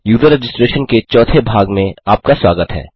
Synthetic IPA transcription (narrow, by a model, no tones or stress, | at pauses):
juːd̪əɾed͡ʒɪsʈɾeːʃənket͡ʃɔːt̪ʰebʱaːɡmẽaːp̚kaswaːɡət̪ɦɛ̰ː